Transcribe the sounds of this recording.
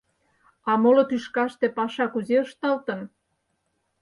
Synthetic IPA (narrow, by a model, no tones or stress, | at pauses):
ɑmolot̪yʃkɑʃt̪epɑʃɑkuzeəʃt̪ɑlt̪ən